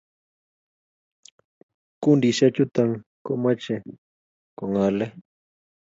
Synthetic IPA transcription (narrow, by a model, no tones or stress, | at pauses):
kundiʃat͡ʃut̪aŋkoʔmat͡ʃe | koŋale